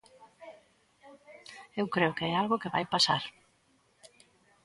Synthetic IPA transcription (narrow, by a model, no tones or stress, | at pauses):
ewkɾeʊkeɛalɣokɪβajpasa̰ɾ